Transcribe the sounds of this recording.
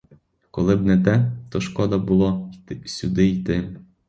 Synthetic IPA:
kɔlˠɪbnɛt̪ɛt̪ɔʃkɔd̪ɐbulˠɔsʲud̪ɪit̪ɪ

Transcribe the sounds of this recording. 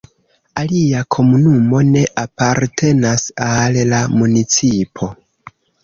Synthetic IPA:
aliakʰo̞munumo̞ne̞ʔapaɾtʰe̞nasallamunit͡sipʰo̞

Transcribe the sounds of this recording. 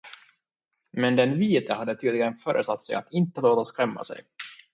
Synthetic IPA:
mɛnd̪ɛnviːt̪ʰəhad̪ːət̪ʰyːd̪lɪɡənfœːɾʔə̰st̪at̪ːsɛja̰t̪ɪnt̪əloːt̪askɾɛmːa̰sɛ̰j

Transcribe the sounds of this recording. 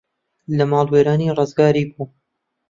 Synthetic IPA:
lɐmaːlˠweːɾaːniːrɨzɡaːɾiːbuː

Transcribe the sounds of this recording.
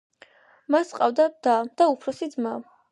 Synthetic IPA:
masqʼa̰vd̪ad̪̥ad̪̥aupʰɾɔsid̪zmam

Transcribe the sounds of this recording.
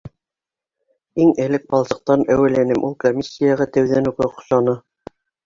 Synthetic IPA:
iŋɘ̆lɘk̚bɑlˠsɤ̆q̚t̪ɑnæwɘ̆lænɘmʔulˠkomʲisʲːijɑʁɑt̪æwðænʉkɘqŏ̥ʃɑnɤ

